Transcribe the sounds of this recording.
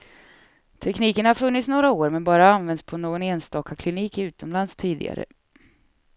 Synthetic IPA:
t̪ʰɛkniːkəɳhaɾfɵnːɪt̪snoːɾaoːɾmɛnbɑːɾaanvɛnd̪spʰɔnoːɡɔneːnst̪ɑːkakʰlɪniːkɪʉ̟ːt̪ɔmlanst̪ʰiːd̪ɪ̰ɡa̰ɾə̰

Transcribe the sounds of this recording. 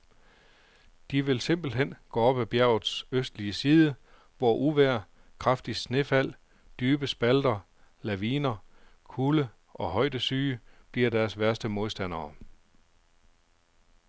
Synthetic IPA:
d̥iʋe̝lse̝m̰b̥l̩ɦen̰ɡ̥ɔ̰ːɒ̽b̥æb̥jæɐʊð̩ˠsøsd̥liəsiːð̞ˠə | ʋɒʔuʋæɐ̰ | kʰʁɑfd̥i̥sne̝fæl̰ | d̥yːb̥əsb̥æld̥ɐ | læʋiːnɐkʰulə | ʔɒ̽ɦɒ̽ɪd̥əsyːb̥liɐdæɐsʋæɐsd̥əmo̝ðˠsd̥æn̰ɐː

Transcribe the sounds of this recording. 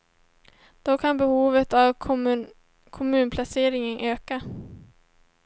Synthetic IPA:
d̪̥ɔkʰanbɛhuːvət̪av | kʰɔmʉ̟ːnpʰlaseːɾɪŋənʔøːka

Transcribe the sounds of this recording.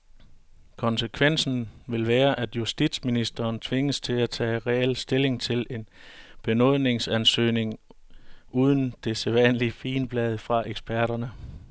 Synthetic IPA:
kʰɒ̽nsəkʰʋen̰sn̩ʋe̝lʋæːɐʔæd̥jusd̥id̥sminisd̥ɐːnt͡sʰʋe̝ŋəst͡sʰe̝læt͡sʰɛ̰ːʁɛel̰sd̥e̝le̝ŋt͡sʰe̝le̝n | b̥e̝nɔð̞̰ˠne̝ŋsænsø̰ːne̝ŋ | ʔuːð̞ˠən̩d̥e̝seʋænliəfiːnb̥lɛð̞ˠfʁɑ̈ʔeɡ̥sb̥æɐɾ̥ɐnə

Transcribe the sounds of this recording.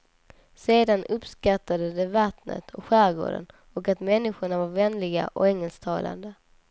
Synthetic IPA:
seːd̪anɵpskat̪ːad̪əd̪ɛvat̪nə̰t̪ʰɔkɧæːɾɡo̰ːɖə̰n | ɔkat̪mɛnːɪɧʊɳavaɾvɛnlɪɡa̰ʔɔ̰kɛŋːɛlst̪ʰɑːlʔa̰nd̪ə

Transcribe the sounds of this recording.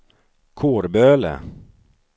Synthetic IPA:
kʰoːɾbøːlə̰

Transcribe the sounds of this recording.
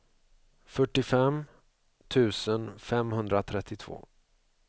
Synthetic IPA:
fœʈːɪfɛm | t̪ʰʉ̟ːsənfɛmhɵnd̪ɾat̪ʰɾɛt̪ʰːɪt̪ʰv̥o̰ː

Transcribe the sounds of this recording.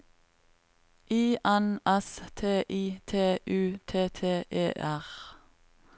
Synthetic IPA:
ʔiːʔɛnʔɛst̪ʰeːʔiːt̪ʰeːʔʉːt̪ʰeːt̪ʰeːʔḛːʔæʁ

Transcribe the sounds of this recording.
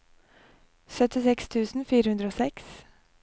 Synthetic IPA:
sœt̪ɪsɛkst̪ʰʉːsn̩fiːɾəhʉnd̪ɾəoːsɛks

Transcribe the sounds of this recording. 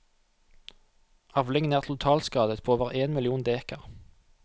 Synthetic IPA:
ʔɑʋlɪŋənæːʁt̪ʰl̩t̪ʰɑːlskɑːd̪ət̪pʰoːoːʋəʁeːnmɪlɪuːnd̪eːkəʁ

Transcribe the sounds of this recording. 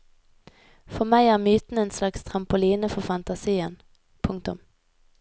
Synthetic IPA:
fɔʁmæɪæːʁmyːt̪n̩əeːnslɑkst̪ʰʁɑmpʊliːnəfɔʁfɑnt̪ɑsiːən | pʰʊŋkt̪ʊ̰m

